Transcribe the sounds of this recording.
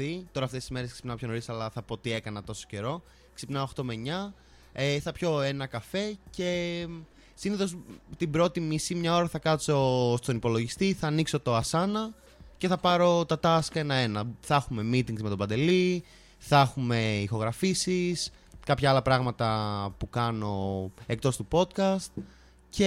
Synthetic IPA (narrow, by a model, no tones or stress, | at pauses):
it̪o̞ɾɐft̪esizme̞ɾesksipnɐopʰço̞no̞ɾisɐlɐθɐpot̪ie̞kɐnɐt̪o̞so̥ce̞ɾo̞ | ksipnɐoxt̪o̞me̞ɲɐ | eθɐpço̞e̞nɐkɐfe̞ce̞ | siniθo̞st̪ibɾo̞t̪imisimɲɐo̞ɾɐθɐkɐt̪t͡so̞st̪onipo̞lo̞ʝist̪iθɐːnikso̞t̪o̞ɐsɐnɐ | ce̞θɐpɐɾo̞t̪ɐt̪ɐske̞nɐe̞nɐθɐxume̞mit̪iŋɡzme̞t̪o̞bɐnd̪e̞li | θɐxume̞ixo̞ɣɾɐfisis | kɐpçɐɐlɐpɾɐɣmɐt̪ɐpukɐno̞e̞k̚t̪o̞st̪upo̞t̪kɐst̪̚ | ce